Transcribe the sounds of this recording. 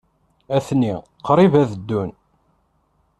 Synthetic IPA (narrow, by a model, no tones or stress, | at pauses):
æθni | qɾˤivæðəd̪ːun